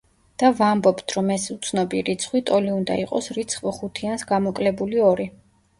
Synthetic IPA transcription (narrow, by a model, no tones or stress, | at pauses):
d̪̥avambɔpt̪ʰɾɔmɛsut̪sʰnɔbiɾit̪sʰχwit̪ʼɔliund̪a̰iqʼɔsɾit̪sʰχvχut̪ʰiansɡamɔkʼlɛbuliɔɾi